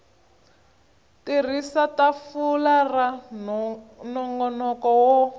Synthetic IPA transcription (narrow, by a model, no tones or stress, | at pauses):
tir̤isatafulara | nɔŋɡɔnɔkɔwɔ